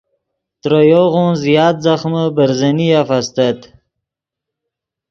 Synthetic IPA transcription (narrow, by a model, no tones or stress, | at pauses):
t̪ɾojoɣonzjɑːt̪̚zaxməbəɾzənijafast̪ət̪